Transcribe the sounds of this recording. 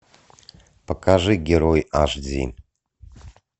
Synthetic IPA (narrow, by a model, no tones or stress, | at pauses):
pʰakʰʼaʐɨɡʲeɾojaʐʷd͡zḭn